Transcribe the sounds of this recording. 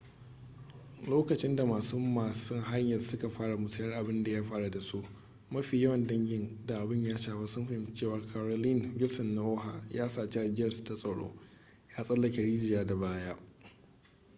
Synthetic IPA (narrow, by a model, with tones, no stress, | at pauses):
loː˦kɐ˨t͡ʃɪ˦nda˨maː˨su˦maː˨sʊ˦ŋɦa˦ɲjɐ˨rsʊ˦ka˨ɸaː˦ɽa˨mʊ˨sɐ˦jɐ˦rʔa˨bɪ˦nda˨jaː˦ɸaː˦ɽa˨da˨su˦ʔ | mɐ˦ɸiː˨jɐ˦wɐ˨ndɐ˦ŋɡʲɪ˨nda˨ʔa˨bɪ˦ɲjaː˦ʃaː˨ba˦sʊ˦mɸa˦hɪ˦m˦t͡ʃeː˦˨waː˨kʰaː˨ɾo˨lɪ˦nbɪ˦lsɔ˨nːa˦ʔoː˦ɦa˨jaː˦saː˨t͡ʃe˦ʔa˨d͡ʒɪ˦jɐ˨rsta˦sʼɐ˨ɽo̰ː˦ | jaː˦sʼɐ˦lːɐ˨kʲe˨ɽiː˦zɪ˨jaː˦da˨baː˦jaː˦ʔ